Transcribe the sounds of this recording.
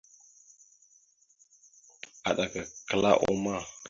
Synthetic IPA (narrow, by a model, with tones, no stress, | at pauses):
a˨ɗa˨kə˨kə˨la̰˦ʔo˦ma˦˨